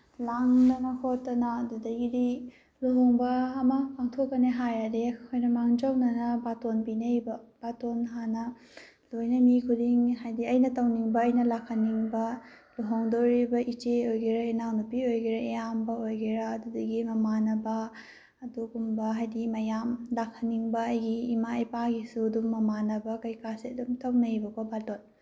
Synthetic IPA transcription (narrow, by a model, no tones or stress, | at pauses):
laŋnɐmakʰotːɐnaːdudɐɡidi | luɦɔŋbɐːmɐpaŋtʰokːɐneɦajadekʰojnɐmaŋd͡ʒawnɐnɐbatonpinɐjbɐb̥atonɦanɐ | lojnɐmikʰudiŋɦajdiɐjnɐtɐwniŋbɐːjnɐlakʰaniŋbɐ | luɦoŋdoɾibɐʔit͡ʃeojɡiɾaenawnɐpiojɡiɾɐʔejambɐojɡiɾaːdudɐɡimɐmanɐbɐ | ɐduɡumbɐɦajdimɐjamlakʰːɐniŋbɐːjɡiːmaɐjpaɡisudummːɐmanɐbɐkɐjkasedumtʰɐwnɐjbɐkʰobaton